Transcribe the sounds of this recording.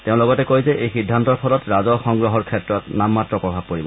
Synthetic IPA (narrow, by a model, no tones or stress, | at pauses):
teʊ̃lɔɡɔtɛkojzɛʔejxidʱːantɔɹpʰɔlɔtɹazɔxɔŋɡɹɔɦɔɹkʰɛtɹɔtnamːatɹɔpɹɔbʱab̚koɹibɔ